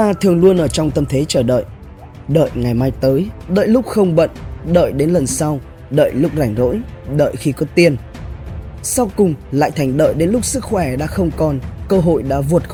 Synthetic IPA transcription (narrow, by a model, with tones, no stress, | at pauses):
t̪aː˧t̪ʰɨ˨˩əŋlu˧ənʔəː˧˩t͡ɕɔ˧wŋ͡mt̪ə˧mt̪ʰe˨˦t͡ɕəː˧˩ɗə̰ː˧˨j | ɗə̰ː˧˨jŋa˨˩jmaː˧jt̪əː˨˦jɗə̰ː˧˨jlʊ˦˥k͡p̚xə˧wŋ͡mɓə̰˧˨ŋɗə̰ː˧˨jɗe˨˦nlə˨˩nsa˧w | ɗə̰ː˧˨jlʊ˦˥k͡p̚za˧˩jŋ̟zo̰˧˥jɗə̰ː˧˨jxi˧kɔ˨˦t̪i˧ən | sa˧wkʊ˨˩ŋ͡mla̰ː˧˨jt̪ʰa˨˩jŋ̟ɗə̰ː˧˨jɗe˨˦nlʊ˦˥k͡p̚sɨ˦˥k̚xwɛː˧˩ɗa̰ː˧˥xə˧wŋ͡mkɔ˨˩nkəː˧ɦo̰˧˨jɗa̰ː˧˥vu˨˩ət̚